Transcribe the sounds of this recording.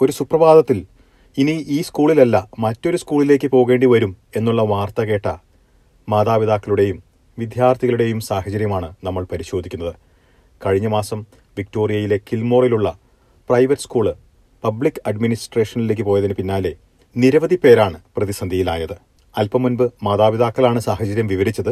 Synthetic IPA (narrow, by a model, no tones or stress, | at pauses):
o̞ɾusuprɐʋaːd̪ɐt̪ːil | iniiːskuːɭilɐlːɐmɐtːo̞ɾuskuːɭile̞ːk̬ʲːɨpo̞ːɣe̞ːɳɖiʋɐɾume̞nːuɭːɐʋaːrt̪ɐɣe̞ːʈːɐ | maːd̪aːʋiðaːkːɐluɽe̞jum | ʋid̪ʱjaːrt̪ʰiɣɐɭuɽe̞jumsaːhɐt͡ɕɐɾjɐmaːɳɨnɐmːɐɭpɐɾiɕo̞ːd̪ʱikʲːunːɐðɨ | kɐɻiɲːɐmaːsɐm | ʋik̚to̞ːrijɐjile̞kilmo̞ːriluɭːɐ | prɐjʋɐtːɨ̥skuːɭɨ | pɐbɭikːɐɖminisʈre̞ːʂɐnile̞ːk̬ʲːɨpoːjɐðinɨpinːaːle | niɾɐʋɐðipe̞ːɾaːɳɨprɐðisɐnd̪ʱijila̰ːjɐðɨ | ɐlpɐmunbɨmaːðaːʋiðaːkːɐɭaːɳɨsaːhɐt͡ɕɐɾjɐmʋiʋɐɾit͡ɕːɐðɨ